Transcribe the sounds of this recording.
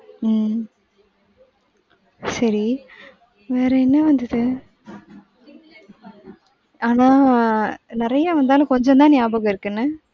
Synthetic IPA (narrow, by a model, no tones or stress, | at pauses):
m | sɐɾi | ʋeːɾɐɛnːɐʋɐnd̪ɐðɯ | aːnãː | nɪɾɐjaʋɐnd̪aːlɐ̃kɔɲd͡ʒɔnt̪ãːnjaːbɐɣɐɪɾɯkːɯnːɯ